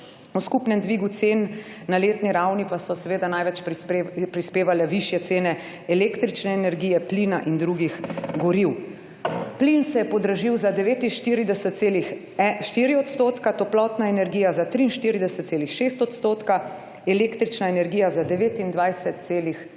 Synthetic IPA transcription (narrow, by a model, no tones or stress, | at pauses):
uskupnɛmd̪ʋiɡut̪seːnː | aleːt̪niɾawnipasɔsɛʋeːd̪anajʋɛt͡ʃpɾispeːʋalɛʋiʃjɛt̪seːnɛ | ɛleːkt̪ɾit͡ʃnɛːnɛɾɡiːjɛplinaʔind̪ɾuɡixɡɔɾiw | plinsɛjɛpɔd̪ɾɐʒiwzad̪ɛʋeːt̪inʃt̪iɾid̪ɛsɛt̪seːlix | ʃt̪iːɾiɔt̪st̪oːt̪kat̪ɔplɔt̪naɛnɛɾɡiːjazat̪ɾiːnʃt̪iːɾid̪ɛsɛt̪seːlixʃeːst̪ɔt̪st̪oːt̪ka | ɛleːkt̪ɾit͡ʃnaɛnɛɾɡiːjazad̪ɛʋeːt̪ind̪ʋajsɛt̪̚seːlix